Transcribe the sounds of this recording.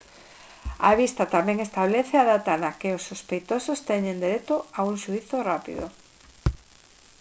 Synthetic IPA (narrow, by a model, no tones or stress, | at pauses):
a̰βist̪at̪amɛ̃ŋest̪aβleθeaðat̪anakeʊsːospejt̪osost̪ɛɲẽnd̪eɾet̪ʊauŋʃuiθorapḭðo̰